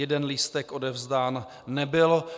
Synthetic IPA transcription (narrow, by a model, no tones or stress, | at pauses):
ɛdɛnlist̪ɛkʔo̞dɛvzdaːnː | ɛbɪl